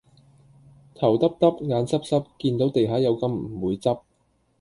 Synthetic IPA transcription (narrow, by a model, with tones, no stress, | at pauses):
t̪ʰɐ˨˩wt̪ɐ˥p̚t̪ɐ˥p̚ŋaː˨˧nsɐ˥p̚sɐ˥p̚kiː˧nt̪o˨˥wt̪e˨jɦaː˨˥jɐ˨˧wkɐ˧mm̩˨˩˨wuː˨˧jt͡sɐ˥p̚